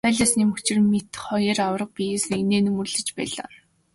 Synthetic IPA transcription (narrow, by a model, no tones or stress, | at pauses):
œːɮʲaːsniːmɵt͡ɕɪ̆rmet̪χɔjərawə̆rə̆q̚pʲijeːs̆eneːnɵmɵ̆rɮɘ̆t͡ɕpæ̰ːɮa̰ː